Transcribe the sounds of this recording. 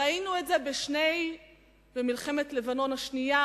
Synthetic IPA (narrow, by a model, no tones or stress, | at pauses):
ainuetze̞beʃne̞j | bemilχemetle̞vano̞nhaʃnija